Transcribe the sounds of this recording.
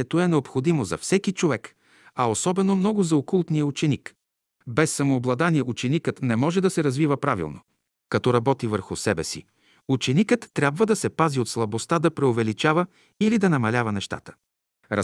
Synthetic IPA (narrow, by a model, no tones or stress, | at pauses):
ɛt̪oɛnɛopxod̪imozɐ̰fsɛkit͡ʃovɛk | ɐosɔbɛnomnɔɡʊzɐokulˠt̪nijəut͡ʃɛnik | bɛsːɐmoːblˠɐd̪aniɛut͡ʃɛnikət̪nɛmɔʒɛd̪ɐsɛɾɐzvivəpɾavḭlˠno̰ | kɐt̪ɔɾɐbɔt̪ivəɾxʊsɛbɛsḭ | ut͡ʃɛnikət̪ːɾʲjabvəd̪ɐsɛpaziot̪slˠɐbost̪ad̪ɐpɾɛovɛlit͡ʃavə | ilid̪ɐnɐmɐlʲavɐnɛʃt̪a̰t̪ə̥ | ɾɐ